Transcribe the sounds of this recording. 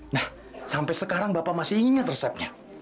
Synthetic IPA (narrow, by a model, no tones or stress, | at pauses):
nah | sampɛsəkaɾaŋbapaʔmasiiiɲat̪rəsɛp̚ɲa